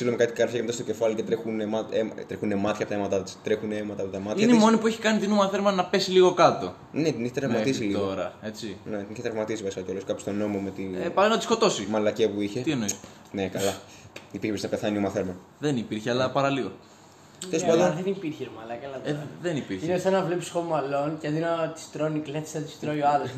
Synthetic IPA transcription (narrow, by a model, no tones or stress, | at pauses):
silomekɐt̪i̥kɐɾfçɐcemet̪ɐst̪oce̞fɐlicet̪ɾexunemɐemt̪ɾexunemɐt̪çɐpot̪ɐemɐt̪ɐt̪i̥st̪ɾexuneemɐt̪ɐːpot̪ɐmɐt̪iɐnemso̞nipueçi̥kɐnit̪inumɐθe̞ɾmɐnɐpe̞siliɣo̞kɐt̪o̞̰ | ne̞t̪iniçet̪ɾɐvmɐt̪is̬ilio̞ɾɐe̞t͡sinet̪iniçet̪ɾɐvmɐt̪isivɐsi̥kɐkolosikɐpo̥st̪o̞no̞mo̞me̞t̪iepɐlinɐt̪isko̞t̪o̞simɐlɐcepuiçet̪ienois | nekɐlɐ | ipiɾçepɾsinɐpeθɐniomɐθeɾmɐ | ðenipiɾçeɐlɐpɐɾɐliɣo | elespɐnd̪onðenipiɾçeomɐlɐcɐlɐeðenipiɾçinesenɐvlepsi̥xomɐlo̞ncɐðinɐt̪i̥st̪ɾoniklet̪st̪i̥st̪ɾojoɐlos